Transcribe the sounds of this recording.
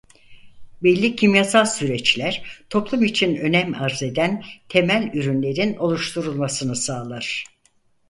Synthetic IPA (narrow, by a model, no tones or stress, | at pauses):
bɛlʲːicʰimjasalˠsyɾɛt͡ʃlʲæɾ̥t̪ʰo̞plˠumit͡ʃʰinø̞nɛmaɾze̞d̪ænt̪ʰe̞mælʲyɾynlʲe̞ɾino̞lˠuʃt̪ʰuɾulˠmasɯnɯsaːlˠaɾ̥